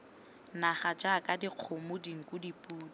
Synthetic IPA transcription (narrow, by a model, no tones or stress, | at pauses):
naχad͡ʒakʼadiq͡χʰomʊdiŋ̩kʼʊdipʼuːda